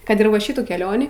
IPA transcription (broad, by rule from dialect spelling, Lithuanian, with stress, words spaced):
ˈkɐt ɪr ʋɐ ˈʃʲɪtuː kʲɛˈlʲoːnʲiː